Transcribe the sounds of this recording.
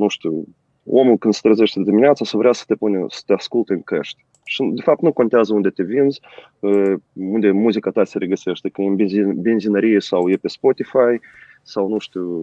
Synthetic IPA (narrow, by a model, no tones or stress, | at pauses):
nuʃt̪ʲu | ʔomulˠkɨnd̪sə̥t̪ɾezeʃt̪ed̪imineat̪sasəvɾeasə̥t̪epunsə̥t̪easkulˠt̪eɨŋkḛʃt̪ʲ | ʃid̪efap̚t̪nuko̞nt̪eazəund̪e̞t̪evinz | əund̪e̞muzikat̪aseɾeɡəseʃt̪ʲekɨenbenzinəɾijesawjepespot̪ifaj | sawnuʃt̪ʲu